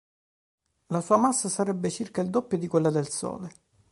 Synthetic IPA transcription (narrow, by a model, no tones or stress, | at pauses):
lasuːamasːasaɾɛbːet͡ʃirkaild̪opːjod̪ikwelːad̪elsɔ̰ːle